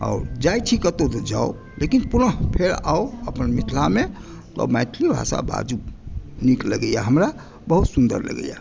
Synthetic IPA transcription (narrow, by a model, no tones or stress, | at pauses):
ɔ̰ɾd͡ʒajt͡ʃʰikət̪ot̪ɔd͡ʒao | lekinpunəɦpʰeɾaoəpənmit̪ʰlame | t̪ə̰majt̪ʰlibʱa̰sa̰ba̰d͡ʒunikləɡəjaɦəmɾa | bəɦut̪sund̪ə̰ɾlə̰ɡə̰ja̰